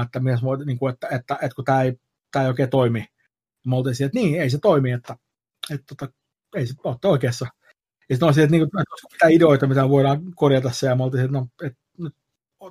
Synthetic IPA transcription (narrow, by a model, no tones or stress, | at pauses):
et̪ːæmit̪æsmoniːŋkuet̪ːæet̪ːæʔet̪kut̪æːei | t̪æːioˑikeːt̪oimi | nimolt̪isielet̪niːeiset̪oimiet̪ːæ | et̪t̪uot̪ɑ | eiseot̪ːeoikeːsːɑ | jɑsit̪nolsielet̪niːŋkut̪oskɑmit̪æideoit̪ɑmit̪æʋoiɾɑːkorjɑt̪ɑssejɑmolt̪isiet̪noet̪ | nyt̪